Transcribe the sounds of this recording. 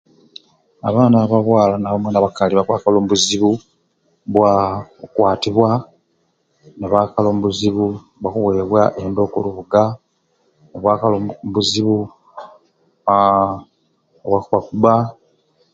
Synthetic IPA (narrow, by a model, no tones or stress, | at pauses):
aβaːnaβaβwaːlanaβomweːnaβakaliβakwaːkaloːmubuziβu | βwakwaːtiβwa | neβakaloːmβuziβu | βwakuwe̞ːβwaʔendo̞kṵluβuɡa | neβwaːkalombuziβu | βwakwakuβa